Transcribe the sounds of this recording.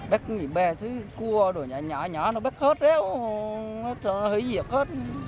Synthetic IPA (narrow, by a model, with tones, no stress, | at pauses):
ɓɛ˦˥k̚ŋi˨˩˨ɓɛ˧˩t̪ʰɨ˨˦ku˧əɗo˨˩ɲa˨˩ɲɔ˧˩ɲɔ˧˩˦nɔ˨˧˦ɓɛ˦˥k̚he˦˥t̚zɛ˦˥w | tʰhi˧˦zi˨˩ək̚he˦˥t̚